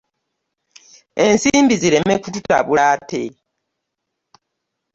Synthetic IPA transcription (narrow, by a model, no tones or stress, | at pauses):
e̞nsiːmbiziɾe̞mekututa̰βulaːte